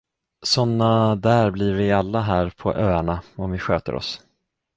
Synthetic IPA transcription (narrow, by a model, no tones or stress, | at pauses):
sɔnːad̪æːɾblɪɾvɪalːaɦæːɾpʰɔ̰ʔøːaɳaɔmvɪɧøːt̪ə̰ɾʔɔ̰s